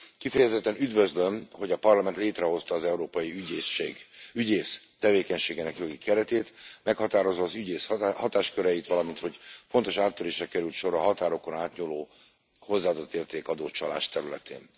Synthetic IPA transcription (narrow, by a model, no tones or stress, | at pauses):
kifɛjɛzɛt̪ːɛnyd̪vø̞zlømho̞ɟɒpɒrlɒmɛnt̪leːt̪rɛɦo̞st̪ɒːzɛuɾoːpɒjiyɟeːseːɡyɟeːst̪ɛveːkɛɲʃeːɡenɛkjo̞ɡikʰɛɾɛt̪eːt̪mɛkhɒt̪aːɾo̞zʋɒːzyɟeːshɒt̪aːʃkøɾɛjit̪ʋɒlɒmint̪ho̞ɟfo̞nt̪o̞ʃaːt̪ːøɾeːʃrɛkɛɾylt̪ʃo̞ɾɒɦɒt̪aːɾo̞ko̞naːt̪ɲuloː | ho̞zːaːd̪ot̪ːeːrt̪eːkɒd̪oːt͡ʃɒla̰ːʃt̪ɛɾylɛ̰t̪ḛːn